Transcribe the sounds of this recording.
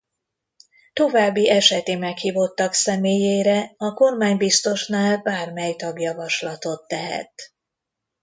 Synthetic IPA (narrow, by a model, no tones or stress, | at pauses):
t̪o̞vaːbːiʔɛʃɛt̪eːmɛkhiːvo̞t̪ːɒksɛmeːjeːɾɛɒko̞rmaːɲbist̪o̞ʃnaːlbaːrmɛjt̪ɒɡjɒvɒʃlɒt̪o̞t̪ːɛɦɛ̰t̪